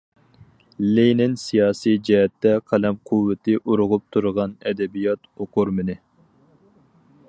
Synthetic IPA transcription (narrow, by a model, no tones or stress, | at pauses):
lejnɪnsijɑːsijd͡ʒɛɦɛt̪ːɛqʰælɛmqʰuwːɪt̪ʰɪʔuɾʊʁʊp̚t̪ʰuɾʁɑnɛd̪ɛbijɑt̪oqʰʊɾmɪnɪ